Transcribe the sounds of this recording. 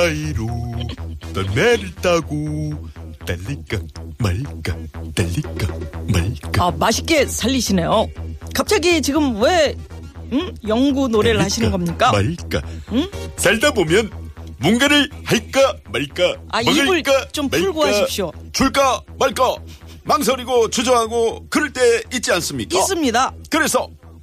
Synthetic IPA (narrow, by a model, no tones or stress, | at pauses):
aiɾo | tʌneɾt͈aɡo | taʎːik͈amaɭk͈ataʎːik͈amaɭk͈aamaɕʰi̥k͈e̞sʰaʎːiɕʰine̞jokap̚t͡ɕ͈aɡit͡ɕiɡɯmwe | ɯjʌŋɡunoɾeɾɯɭhaɕʰinɯnɡʌmɲik͈amak͈a̰ɯsaɭdabomjʌnmuŋɡeɾɯɭhaik͈amaɭk͈aaibɯɭkt͡ɕompuɭɡoɦaɕʰip̚ɕ͈ot͡ɕuɭk͈amaɭk͈a | maŋs̬ʰʌɾiɡot͡ɕud͡ʑʌɦaɡokɯɾɯɭt͈eit̚t͡ɕ͈ians͈ɯmɲik͈as͈ɯmɲidakɯɾe̞sʰʌ